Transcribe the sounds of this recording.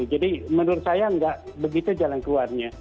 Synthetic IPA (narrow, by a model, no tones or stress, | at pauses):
d͡ʒadimənʊrsajaŋɡaʔbəɡit̪ud͡ʒalankluarɲa